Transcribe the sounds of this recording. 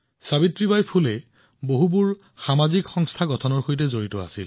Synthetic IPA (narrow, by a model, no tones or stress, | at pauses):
sabitɹibajpʰulɛ | boɦubuɹ | xamazikxɔŋstʰaɡɔtʰɔnɔɹxojt̬ɛzoɹitɔa̰sḭl